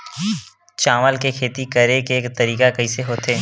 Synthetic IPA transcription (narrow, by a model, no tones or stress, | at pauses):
t͡ʃaːʋəlkekʰeːt̪ikəɾekeːkt̪ɐɾiːkakɐiseɦoːt̪ʰeː